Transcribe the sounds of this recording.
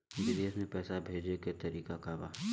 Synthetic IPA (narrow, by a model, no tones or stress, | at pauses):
ɪd͡ʒid̪eəsmẽpɛːsabʱeːd͡ʒeket̪ɐɾiːkakaba̰ː